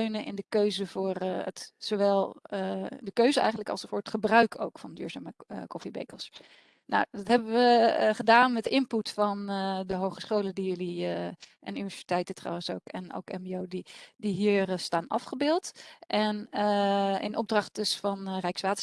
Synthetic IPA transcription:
øɥnənʔɪ̰ndəkøɥzəvʊːrə̰tsowʋɛlˠ | dəkøɥzəɛ̰jχən̩ləkɑ̰lˠsfʊːɹətχəbrœɥkʰo̰wkfɑndy̰ːɹzaːməkɔfibḛjkəlˠs | na̰wdɑtɦɛbəʋəχədaːnmɛtɪmputfɑndəɦowχəsχowlədijɵliʔɪnynivɛsi̥tɛjtətrɑ̰wənsowkɛ̰no̰wkɛmbiowdidiɦiːrəstaːnɑ̰fχəbɪːlˠtʔɛnəɪ̰nʔɔ̰b̚drɑχtdəsfɑnrɛjksʋaːtə

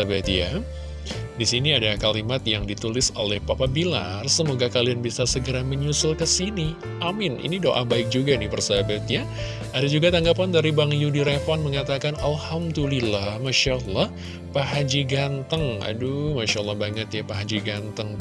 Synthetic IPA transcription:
abat̪ja | disiniadakalimat̪jaŋdit̪ulɪsolɛhpapabila̰rsəmoɡakalianbisasəɡəɾaməɲusʊlkəsini | ʔamɪnḭnidoʔabaɪk̚d͡ʒuɡanɪhbərsabat̪ja | adad͡ʒuɡat̪aŋɡapandaɾibaŋjudiɾefɔnməŋat̪akanalhamdulilahmaʃaʔəlːɔh | paɦad͡ʒiɡant̪əŋa̰dumaʃalːɑhbaŋət̪japaɦad͡ʒiɡant̪əŋ

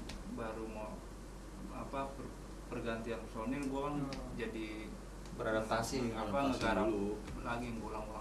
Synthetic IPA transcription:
baɾumo | a̰pa | pərɡant̪ianpəsonirɡuakand͡ʒadi | bəɾɾent̪asiapaŋəkaɾa | laɡiŋɡulaŋula

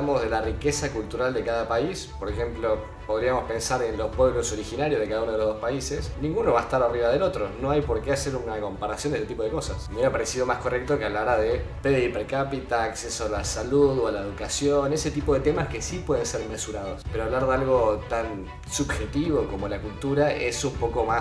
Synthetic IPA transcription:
amozðe̞larikesakult̪uɾald̪ekaðapaispoɾexe̞mplo̞ | po̞ð̞ɾiamo̞spe̞nsaɾenlo̞spweβloso̞ɾixinaɾjozðekaðaunoeoðospaisesnĩŋɡuno̞βaest̪aɾariβaðelo̞t̪ɾono̞ajpo̞ɾkeaseɾunako̞mpaɾasjondest̪t̪ipo̞ð̞eko̞sa̰smeɾapaɾesiðomaskorek̚t̪okeaβlaɾaðepeðipeɾkapit̪aːksesoalasaluðwalaeðukasjonese̞t̪ipo̞ðe̞t̪emaske̞sipwe̞ðenseɾme̞suɾað̞o̞speɾoaβlaɾðealɣo̞t̪an | subxe̞t̪iβo̞ko̞mo̞lakult̪uɾaesumpo̞ko̞ma

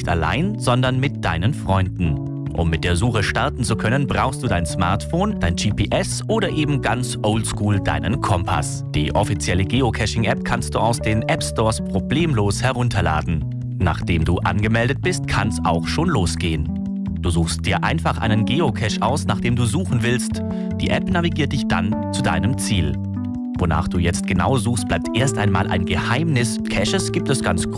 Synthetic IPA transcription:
nɪçta̰la̰ɪnzɔndɐnmɪt̚d̥a̰ɪnənfʁ̥ɔʏndn̩ | ʔʊ̰mːɪt̚d̥eːɐzuːəʃtaɐtn̩t͡sukʰœnənbʁaʊxstd̥uːdaɪnsmaɐtfoːnd̥aɪnd͡ʒiːpʰiːʔɛsʔoːɾɐʔeːbm̩ɡant͡sʔoʊltskuːlda̰ɪnənkʰɔmpʰa̰s | d̥ḭːʔɔfit͡sjɛləɡeːokʰɛʃɪŋʔɛp̚kʰanst̚d̥uːaʊsd̥eːnʔɛpstɔːɐspʁ̥obleːmloːshɛɐʁʊntʰɐla̰ːdn̩ | na̰ːχd̥eːmduːʔa̰nɡəmɛldət̚b̥ɪstkʰansaʊxʃoːnloːsɡ̥eːən | d̥uːzuːxst̚d̥iːɐʔa̰ɪnfaχʔa̰ɪnənɡeːokʰɛʃʔaʊsnaːχd̥eːmduːzuːxn̩vɪlst | d̥ḭːʔɛpnaviɡiːɐt̚d̥ɪçd̥a̰nt͡suda̰ɪnəmt͡siːl | vona̰ːχd̥uːjɛt͡st̚ɡ̥əna̰ʊzuːxst̚b̥laɪp̚tʔeːɐstʔaɪnma̰ːlʔa̰ɪnɡəhaɪmnɪs | kʰɛʃəsɡ̥iːp̚tɛsɡ̥ant͡s

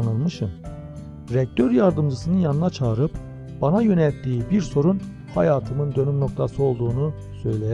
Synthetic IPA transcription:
nɯlˠmɯʃɯm | ɾɛc̚t̪ʰøɾjaɾd̪ɯmd͡ʒɯsɯnɯnjanɯnat͡ʃʰaːɾɯp̚ | b̥anajø̞nɛlʲt̪ːiːbiɾso̞ɾun | hajaːt̪ʰɯmɯnd̪ø̞nymno̞k̚t̪ʰasɯo̞lˠd̪uːnu | sø̞jlʲej

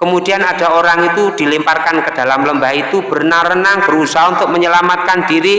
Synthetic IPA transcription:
kəmud̥ianad̥a̤oɾaŋit̪ud̥i̤limparkankəd̥a̤lamləmbait̪ub̥ə̤rnarənaŋb̥əɾusaɦaunt̪ʊk̚məɲəlamat̪̚kand̥iɾi

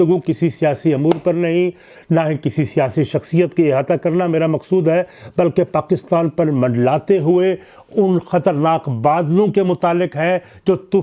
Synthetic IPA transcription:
ʊɡũkɪsisijaːsiɐmuːɾpɐɾnɐɦĩ | naɦĩkɪsisijaːsiʃɐxsijət̪kieɦaːt̪akɐɾnameːɾamɐqsuːd̪ɦɛbɐlkepaːkɪst̪aːnpɐɾmɐ̃ɳɖlaːt̪eɦʊe | ʊnxɐt̪əɾnaːkbaːd̪lõkemʊt̪aːlːɪqɦɛ | d͡ʒoːt̪ʊ

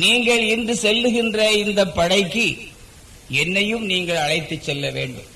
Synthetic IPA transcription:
niːŋɡɐɭɪnd̪ɯsɛlːɯɣɪndrɐɪnd̪ɐpːɐɽɐɪkːi | ɛnːɐjɯmniːŋɡɐɭɐɻɐɪt̪ːɯt͡ʃːɛlːɐʋḛːɳɖɯ̰m

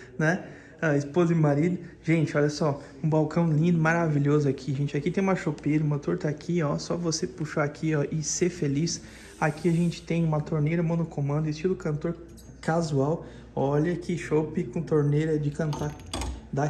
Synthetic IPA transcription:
nɛ | aɪspozɐɪmaɾid̪ʊʒẽnt͡ʃɪɔʎɐsɔ | ũbawkɐ̃w̃lĩnd̪ʊmaɾaviʎozʊakʰiʒẽnt͡ʃɪakit̪ẽj̃ũmɐʃopejɾɐũmɐt̪oɾt̪akʰiɔsɔvosepuʃaakʰiɔʔɪsefelis | akʰiaʒẽnt͡ʃɪ̥t̪ẽj̃ũmɐt̪oɾnejɾɐmõnokomɐ̃nd̪ʊɪst͡ʃilʊkɐ̃nt̪oɾ | kazuaw | ɔʎɐkʰiʃopɪkõt̪oɾnejɾɐd͡ʒɪkɐ̃nt̪aɾd̪a

